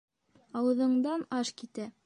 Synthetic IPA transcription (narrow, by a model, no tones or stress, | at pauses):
ɑwɤ̆ðɤ̆ɴd̪ɑnɑʃkit̪æ